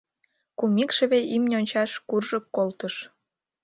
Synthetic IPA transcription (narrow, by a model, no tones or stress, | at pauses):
kumikʃə̆βeʔimnʲeonʲt͡ɕɑʃkurʒəkːolt̪əʃ